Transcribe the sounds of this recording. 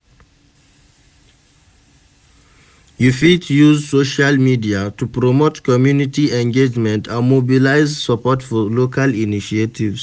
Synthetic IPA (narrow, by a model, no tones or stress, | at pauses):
jufitjuzsoʃalmidiatupɹɔmotkɔmjunitiɛ̃ŋɡed͡ʒmɛ̃ntʰãnmobilaɪzsəpɔtfɔlokaliniʃietʰivs